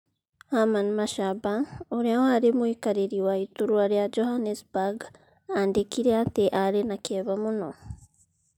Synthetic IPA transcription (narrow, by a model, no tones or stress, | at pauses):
hamanmaʃaβaoɾeahaɾimwikaɾiɾiwaituɾuaɾjad͡ʒohanesbaɡ | andekiɾeateʔaɾenakeβamuno